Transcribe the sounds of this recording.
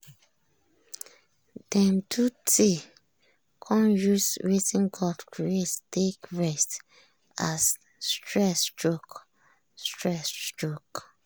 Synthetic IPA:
d̥ɛ̃mtʰutʰe | kʰɔ̃njusɹetĩnɡɔdkʰɹiettekɹɛst | asː | tʰɹɛsdɹok | stɹɛsdɹok

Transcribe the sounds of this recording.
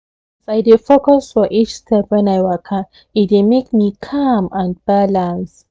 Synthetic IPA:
asaɪdefokɔsfɔʔit͡ʃstʰɛpwɛ̃najwakʰã | it̚demekmikʰamãnb̥alãns

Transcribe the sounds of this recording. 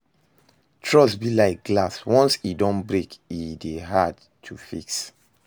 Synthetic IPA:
tʰɹɔsbilaɪk̚ɡ̥laswɔ̃nsidɔ̃nbɹekideɦad | tʰufḭks

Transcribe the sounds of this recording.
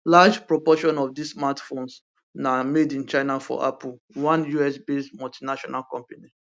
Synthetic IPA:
lad͡ʒpɹopɔʃɔ̃nɔfdismatfõns | namedĩnt͡ʃaɪnafɔ̰ʔapul̩ | wãnjuɛsbesmɔltinaʃɔnalkɔ̃mpani

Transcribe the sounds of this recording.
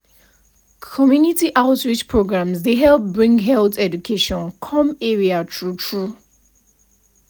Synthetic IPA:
kʰɔmjunitiʔaʊtɹit͡ʃpʰɹoɡɹãmzdeɦɛlp̚bɹĩŋɡɦɛlθɛd͡ʒukʰeʃɔ̃nkʰɔ̃mɛɹiatʰɹutʰɹu

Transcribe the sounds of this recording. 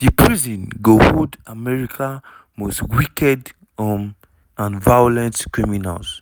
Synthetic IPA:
dipʰɹizɔ̃nɡohodamɛɹikʰa | mostwikɛd | ɔm | ãnvajɔlɛ̃ntkɹimina̰lz

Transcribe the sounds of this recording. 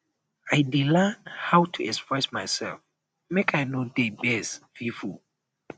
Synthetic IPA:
ajdilɛnhawtʰuɛkspɹɛsmajsɛ̰lf | mekʰajnodebɛsvifu

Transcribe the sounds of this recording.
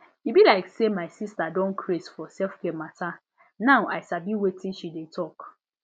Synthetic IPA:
ibilaɪksemaɪsistadɔ̃nkʰɹesfɔsɛlfkematʰa | naʊaɪsabiwetʰĩnʃidetʰɔk

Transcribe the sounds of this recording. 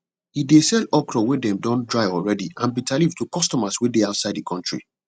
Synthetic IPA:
hidesɛlɔkɾɔwedɛ̃mdɔ̃ndɹaɪɔlɹɛdiãnbitʰalivtʰukɔstɔmaswedeaʊtsaɪdikʰɔ̃ntɹḭ

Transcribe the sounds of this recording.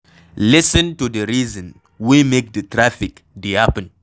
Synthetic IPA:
lɪsə̃ntudəɾiːzə̃n | wimek̚dətɾafɪk | diapə̃n

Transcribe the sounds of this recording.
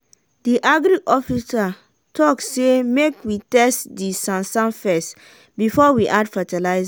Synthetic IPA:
diʔaɡɾiʔɔfisa | tʰɔksemekwitɛstdisãnsãnfɛst | bifɔwiʔadfatalaɪz

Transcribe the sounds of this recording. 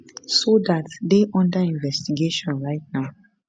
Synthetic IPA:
sodatdeʔɔ̃ndəĩnvɛstiɡeʃɔ̃nɹaɪt̚naʊ

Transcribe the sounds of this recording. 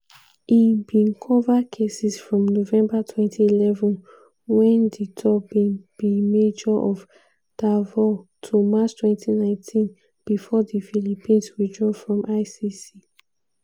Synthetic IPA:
ibĩnkʰɔvakʰesisfɹɔ̃mnovɛ̃mbatʰwɛ̃ntʰiilɛvɔ̃n | wɛ̃nditʰɔbĩnb̥imed͡ʒɔʔɔv | d̥avɔtʰumat͡ʃtʰwɛ̃ntʰinãɪ̃ntʰĩn | b̥ifɔdifilipʰĩnsɹidɹɔvfɹɔ̃mʔaɪsisi

